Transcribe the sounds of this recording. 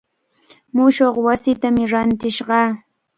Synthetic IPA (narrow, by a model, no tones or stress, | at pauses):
mʊʃoχwasɪt̪amɪɾant̪ɪʃɢɑː